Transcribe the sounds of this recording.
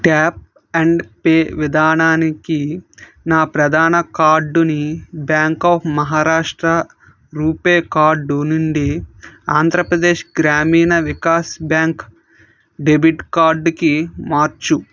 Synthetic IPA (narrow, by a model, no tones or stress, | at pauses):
ʈaːp̚ | ɐɳɖpeːʋid̪ʱaːnaːniki | naːpɾɐd̪ʱaːnɐkaːɾɖunibjaːŋkaːpʰmɐɦaːɾaːʂʈɾɐ | ɾuːpeːkaːɾɖunuɳɖiaːnd̪ʱɾɐpɾɐd̪e̞ːʃɡɾaːmiːnɐʋikaːsbjaːŋk | ɖebʱiʈkaːɾɖkimaːɾt͡ʃu